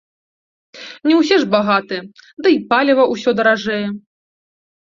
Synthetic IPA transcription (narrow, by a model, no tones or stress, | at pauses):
nʲɛws̬ʲɛʐbaɣat̪ɨɛd̪ɐipalʲɛvɐʔusʲɔd̪ɐɾaʐɛjɛ